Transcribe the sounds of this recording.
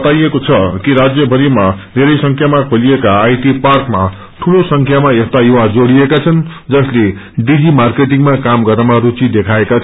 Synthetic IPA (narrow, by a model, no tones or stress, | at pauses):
ʌt̪ajekot͡sʰʌkiɾad͡zjʌbʱʌɾimad̪ʱeɾʌjsʌŋkʰjamakʰoliekaːjʈiparkma | ʈʰulosʌŋkʰjamaest̪ajuwad͡zoɽiekat͡sʰʌnd͡zʌsle | ɖid͡zimarkeʈiŋmakamɡʌɾʌmarut͡sid̪ekʰaekat͡sʰʌ